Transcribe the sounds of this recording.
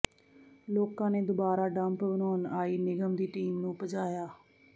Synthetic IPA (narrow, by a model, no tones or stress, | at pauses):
loːkãːneːd̪oːbaːɾaːɖəmpbənoːnaːiːnɪɡəmd̪iːʈiːmnũːpəd͡ʒaːjaː